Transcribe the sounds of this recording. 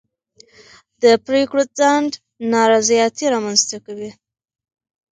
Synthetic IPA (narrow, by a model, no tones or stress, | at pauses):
d̪əpɾekɽot͡saɳɖ | nɑɾɑzijɑt̪iɾɑmanzt̪akawi